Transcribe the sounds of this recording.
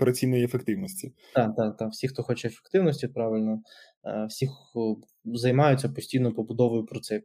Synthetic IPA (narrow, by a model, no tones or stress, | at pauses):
ɔpeɾɐt͡sʲijnɔjiefekt̪ɪwnɔsʲtʲi | d̪̥ɑd̪ɑd̪ɑwsʲixt̪ɔxɔt͡ʃɛefe̥kt̪ɪwnɔsʲtʲipɾɑʋɪlʲnɔ | wsʲix | zɐjmɑjʊtʲt͡sʲːɐpɔsʲtʲijnɔpɔbʊd̪ɔʋɔjʊpɾɔt̪sɛ